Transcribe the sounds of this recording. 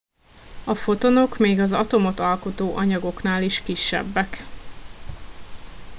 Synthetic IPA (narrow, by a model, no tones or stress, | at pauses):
ɒfo̞t̪o̞no̞kmeːɡɒzɒt̪o̞mo̞t̪ɒlko̞t̪oːʔɒɲɒɡo̞kn̪aːliʃkiʃːɛ̰bːɛk